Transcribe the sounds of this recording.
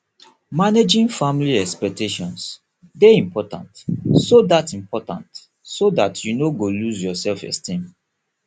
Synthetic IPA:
maned͡ʒĩnfamliɛkspɛk̚tʰeʃɔ̃ns | deĩmpʰɔtã̰ntsodatĩmpɔtã̰nt | sodatʰjunoɡoluzjɔsɛlfɛ̰stĩm

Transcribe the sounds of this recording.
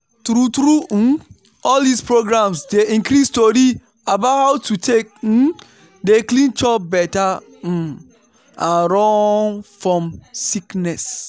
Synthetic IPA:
tɾutɾu | ɔldispɾoɡɾãmsdeĩŋkɾistoɾi | abathawtʰutʰek̩̚ | deklĩnt͡ʃɔbɛta | ãnɾɔ̃nfɹɔ̃msiknɛs

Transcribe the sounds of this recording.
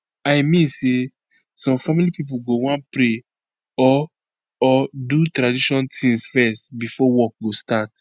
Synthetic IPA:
aɪmĩnse | sɔ̃mfamilipip̬uɡowɔ̃npɾe | ɔ | ɔdutɾadiʃɔ̃ntĩŋsfɛstbifɔwɔk̚ɡostat

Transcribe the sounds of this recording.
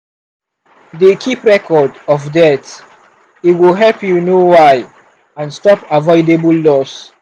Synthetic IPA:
dekʰipɹɛkʰɔdɔvdɛt | itwilɦɛlpjunowaɪ | ãnstɔpavɔɪdebəlːɔs

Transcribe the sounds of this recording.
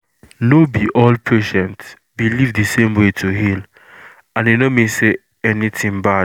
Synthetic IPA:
nobiʔɔlpʰeʃɛ̃nt | bilivdɨsẽmwetʰuɦil | ãnenomĩse | ɛniθĩŋba

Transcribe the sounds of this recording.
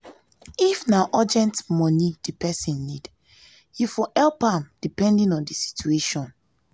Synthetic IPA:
ifnaʔad͡ʒɛ̃ntmɔnid̥ipʰɛsĩnːid | jufɔʔɛlpãmd̥ipɛ̃ndĩnɔ̃ndisi̥tueʃɔ̃n

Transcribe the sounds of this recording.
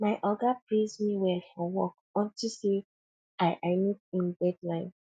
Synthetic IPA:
maɪʔɔɡapɹezmiwɛlfɔwɔk̚ | ɔ̃ntʰise | ajʔaɪmitĩnbɛdlãɪ̃n

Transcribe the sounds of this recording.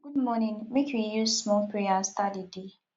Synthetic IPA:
ɡ̥ud̚mɔnĩŋmekʰwijuzsmɔlpʰɹiast̪adide

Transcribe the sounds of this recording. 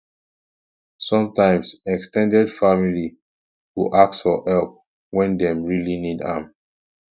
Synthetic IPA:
sɔ̃mtãɪ̃msɛkstʰɛ̃ndɛdfamili | wuʔak̚sfɔʔɛlp̚ | wɛ̃ndɛ̃mɹilinidã̰m

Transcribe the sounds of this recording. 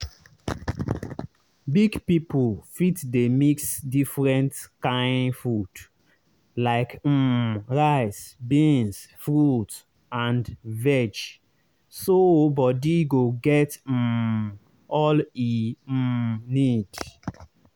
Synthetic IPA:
biɡpipulfitdemiksdifɹɛ̃ntkãɪnfɹud | laɪkm̩ɹaɪsbẽnsfɹut | ãndvɛd͡ʒ | sobɔdiɡoɡɛt̩ | ɔli | nid̥

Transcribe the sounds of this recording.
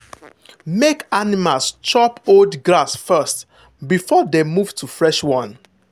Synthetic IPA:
mekanimalst͡ʃɔpoldɡlasfɜst | bifɔdemuv̥tʰufɹɛʃwɔ̃n

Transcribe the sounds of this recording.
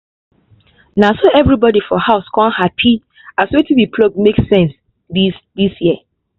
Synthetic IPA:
nãsoʔɛvɹibɔdifɔhaʊskʰɔ̃nhapʰi | asetiwipʰlɔɡ̚meksɛ̃ns | disd̪isjiə

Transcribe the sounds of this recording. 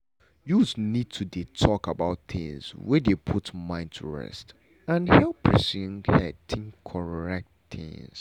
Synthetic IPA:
juznid̚tʰudetʰɔkabaʊtθɪ̰̃ŋzwɛdepʰutmãɪ̃n̚tʰṵɹɛ̰st | ãnhɛlˠpʰːɹisuĩŋɛtʰĩŋkʰɔɹɛk̚tθɪ̰̃ŋs

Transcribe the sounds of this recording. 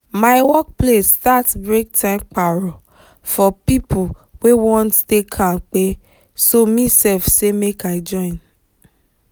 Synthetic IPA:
maɪwɔk̚plestatbɾek̚tʰãmk͡paɾɔ | fɔpipʰuwewɔ̃nttekʰãk͡pe | somĩsɛlfsemekaɪd͡ʒɔ̃ĩn

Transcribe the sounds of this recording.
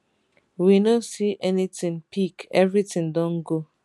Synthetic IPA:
winosiʔɛnitɪ̃ŋpʰikɛvɾitɪ̃ŋdɔ̃n̩ɡo

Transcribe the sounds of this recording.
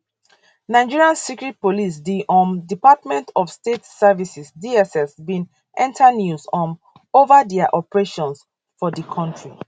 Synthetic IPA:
nãɪ̃d͡ʒiɹiãnsikɹit̚polis̬diʔɔ̃ndipatmɛ̃ntʰɔfstetsɛvisisdiɛsɛsbĩn | ʔɛ̃ntʰanjuzɔ̃n | ovadɛaʔɔpɹeʃɔ̃ns | fɔdəkʰɔ̃ntɹi

